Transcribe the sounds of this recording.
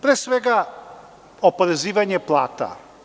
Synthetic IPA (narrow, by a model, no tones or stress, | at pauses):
pɾɛsvɛɡa | opoɾɛzivaɲɛplˠa̰ːt̪a̰